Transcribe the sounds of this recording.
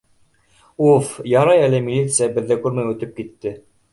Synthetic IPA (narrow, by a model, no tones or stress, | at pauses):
ufjɑɾɑjælɘmʲilʲːit̪sɨjabɘ̆ðːækʉɾmæjʉ̆t̪ɘp̚kit̪ːɘ